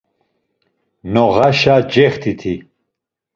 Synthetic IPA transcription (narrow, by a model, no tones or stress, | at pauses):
noʁaɕad͡ʑeχt̪ʰit̪ʰi